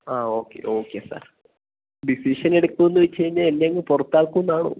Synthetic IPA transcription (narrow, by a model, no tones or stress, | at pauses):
aːo̞ːkːe̞̰ʔo̞ːkːeːsa̰ːr | ɖisiʂɐne̞ɽukːuenːuʋet͡ɕːt͡ɕejiɲːalenːeŋɡɐɭpurɐt̪ːaːɭkːuunːaːɳo̰